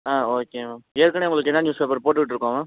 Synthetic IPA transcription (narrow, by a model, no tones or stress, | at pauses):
aːoːkeːmameːɾkːɐɳeːʊŋɡɐɭɯkːɛnːaːnjuːspeːp̬ɐɾpoːʈ̬ːɯʋɪʈːɪɾɯkːaːmaː